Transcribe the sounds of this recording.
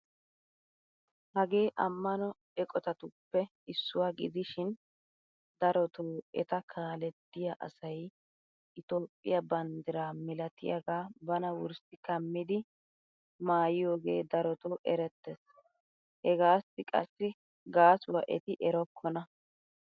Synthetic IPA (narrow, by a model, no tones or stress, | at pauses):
hɐɡe̞ːʔɐmːɐnɔ | ɛkʼɔt̪ɐt̪ʊpːɛ | ɪsːʊwaːɡɪd̪ɪʃɪn | d̪ɐɾɔt̪oːɛ̰t̪ɐkʰaːlɛt̪ːɪjɐʔɐ̰sɐj | ʔɪt̪oːpʼːɪ̰jɐbɐnd̪ɪɾaːmɪlɐt̪ɪ̰jɐɡaːbɐnɐwʊɾsɪkɐmːɪd̪ɪ | maːjɪjo̞ːɡe̞̰ːd̪ɐɾɔt̪oʔɛɾɛt̪ːɛs | hɛɡaːsːɪkʼɐ̰sːɪ | ɡaːsʊwɐ̰ʔɛ̰t̪ɪʔɛɾɔkʰːɔnɐ